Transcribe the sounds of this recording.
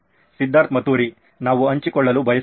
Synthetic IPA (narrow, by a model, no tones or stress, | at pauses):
sid̪ʱːaːɾt̪mɐt̪uːɾi | naːʋuɐɲt͡ʃikɔɭːɐlubʱɐjɐ